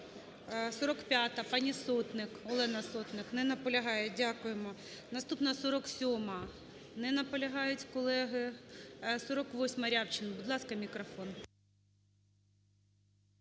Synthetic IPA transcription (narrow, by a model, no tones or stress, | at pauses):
sɔɾɔkpʲjat̪ɐpɑnʲisɔt̪nɪkɔlˠɛnɐsɔt̪nɪknɪnɐpɔlʲɐɦɑjɛdʲakʊjemɔnɐst̪upnɐsɔɾɔksʲɔmɐ | nɪnɐpɔlʲɐɦɑjʊtʲkɔlˠɛɦɪ | sɔɾɔkʋɔsʲmɐɾʲawt͡ʃɪnbud̪lˠɑskɐmʲikɾɔfɔn